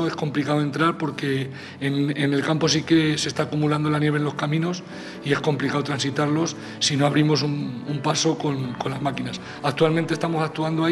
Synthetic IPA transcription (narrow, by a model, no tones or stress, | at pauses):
oe̞sko̞mplikaoe̞nt̪ɾaɾpo̞ɾke̞ː | nene̞lkampo̞s̬ike̞se̞st̪aːkumuland̪olanje̞βenlo̞skamĩno̞s | ie̞hko̞mplikaot̪ɾansit̪aɾlo̞sː | ino̞aβ̞ɾimo̞sunumpaso̞ko̞nko̞nlazmakinas | ak̚t̪ualment̪e̞st̪amo̞sak̚t̪uand̪oa